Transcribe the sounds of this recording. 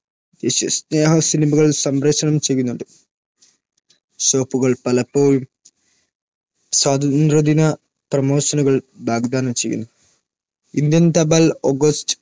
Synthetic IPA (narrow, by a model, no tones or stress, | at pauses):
d̪eːɕɐsne̞ːɦɐsinimɐɣɐɭsɐmɾɐʂɐɳɐmt͡ɕe̞jːunːuɳɖɨ | ɕo̞ːpːuɣɐɭpɐlɐpːoːjum | swaːd̪ɐnd̪rɐd̪inɐ | prɐmo̞ːsɐnuɣɐɭbʱaːɡd̪aːnɐmt͡ɕe̞jːṵnːu | ind̪jɐnt̪ɐbɐloɡɐstɨ̥